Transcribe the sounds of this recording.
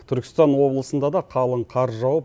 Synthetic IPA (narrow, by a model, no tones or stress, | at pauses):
t̪ʰʏɾkʲɪ̥st̪ɑnwo̞blˠəsənd̪ɑd̪ɑqʰɑlˠəɴqʰɑɾʒɑwəp